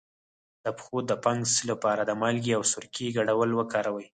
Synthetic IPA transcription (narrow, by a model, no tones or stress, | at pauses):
d̪̥əpxod̪ːəpɑŋɡsəlapɑɾad̪əmɑlɡiawsʊɾkiɡaɽawəlwəkɑɾawəj